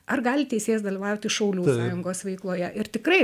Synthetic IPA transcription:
ɐrɡɑːlʲɪt̪ʲɛɪsʲeːjɛsd̪ɐlʲɪʋɑːʋʊt̪ʲɪʃɐʊlʲuːsɑːjʊŋɡoːsʋʲɐɪklˠoːjɛʔɪɾt̪ʲɪkrɐɪ

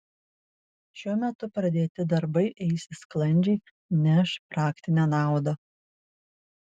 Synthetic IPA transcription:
ʃʲuɔmʲɛt̪ʊpɾɐd̪ʲeːt̪ʲɪd̪ɐɾbɐɪʔɛɪsʲɪsklˠɐnʲd͡ʒʲɛɪ | nʲɛʃpɾɑːkt̪ʲɪnʲæːnɑˑʊd̪ɐ

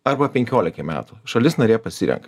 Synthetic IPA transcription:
ɐɾbɐpʲɛŋʲkʲoːlʲɪkʲɐmʲæ̰ːt̪uʃɐlʲɪsnɐɾʲeːjpɐsʲiːɾʲɛ̰ŋk

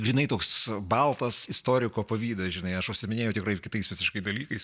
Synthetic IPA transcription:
ɡɾʲinɐɪt̪oːksbɐlˠt̪ɐsɪst̪oːɾʲɪkoːpɐʋʲiːd̪ɐsʒʲɪnɐɪɐʃʊʃʲsʲɪmʲɪnʲeːjɛʊt̪ʲɪkrɐɪkʲɪt̪ɐɪsʋʲɪsʲɪʃkɐɪd̪ɐlʲiːkɐɪs

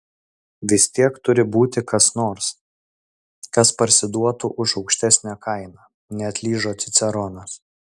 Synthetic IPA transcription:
ʋʲɪsʲt̪ʲiɛkt̪ʊɾʲɪbuːt̪ʲɪkɐsnoːɾs | kɐspɐɾʲsʲɪd̪uɔt̪uʔʊʃɒʊkʃʲt̪ʲæsʲnʲækɐɪnɑː | nʲɛɐt̪ʲlʲiːʒoːt̪sʲɪt̪sʲɛɾɔnɐs

